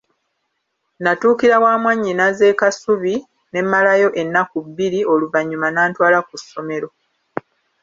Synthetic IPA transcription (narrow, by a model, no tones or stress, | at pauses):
natuːkiɾawaːmwaɲːinaze̞ːkasuβi | ne̞mːalajo̞ʔe̞nːakuβːiɾio̞luvaɲːumanaːntwaːlakusːo̞me̞ɾo̞